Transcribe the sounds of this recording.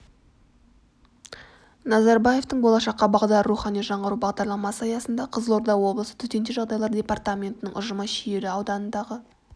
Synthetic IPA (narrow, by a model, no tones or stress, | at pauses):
nɑzɑɾbaje̞ft̪əɴbo̞lˠɑʃɑqːɑbɑʁd̪ɑruχɑnijʒɑɴʁɑɾubɑʁd̪ɑɾlˠɑmɑsəɑjɑsənd̪ɑqʰəzəlˠoɾd̪ɑwo̞blˠəsə̥t̪ʰʏt̪e̞nd̪ɪʒɑʁd̪ɑjlˠɑɾd̪ʲe̞part̪amʲe̞nt̪əɪnɪŋʔʊʒəmɑʃieɾɪɑwd̪ɑnənd̪ɑʁə